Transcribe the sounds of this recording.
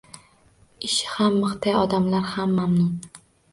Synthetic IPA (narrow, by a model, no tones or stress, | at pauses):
ɪʃɪ̥hamːɨχt̪ʰajɒd̪amlaɾhamːamnɪ